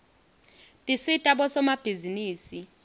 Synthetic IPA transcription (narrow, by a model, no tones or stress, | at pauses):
tʼisitʼaɓɔsɔmab̥ʱiziniːsi